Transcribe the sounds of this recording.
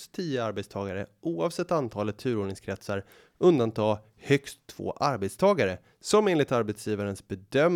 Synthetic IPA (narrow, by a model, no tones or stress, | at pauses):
st̪ʰːiːəaɾbɛt̪st̪ʰɑːɡaɾə̰ʔuːɑvsɛt̪ːant̪ʰɑːlət̪ʰːʉ̟ːɾoːɖɳɪŋskʰɾɛt̪səɾ | ʔɵnd̪ant̪ʰɑː | hœkst̪ʰːv̥o̰ːʔaɾbɛt̪st̪ʰɑːɡaɾə | sɔmeːnlɪkt̪aɾbɛt̪sjiːvaɾənsbɛd̪œm